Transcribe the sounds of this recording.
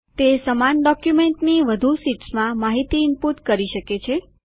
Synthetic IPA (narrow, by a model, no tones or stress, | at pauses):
t̪esəmanɖɔkjumeɳʈniʋəd̪ʱusiʈsmãmaɦit̪iɪmput̪kəɾiʃəket͡ʃʰe